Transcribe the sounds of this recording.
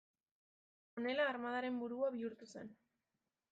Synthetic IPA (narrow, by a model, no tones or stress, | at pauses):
one̞laːɾmað̞aɾe̞mbuɾuaβiuɾt̪use̞n